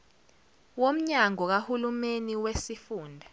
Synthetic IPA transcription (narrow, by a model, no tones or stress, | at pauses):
wom̩ɲaŋɔk̬ahulumeniwesifuːndʱa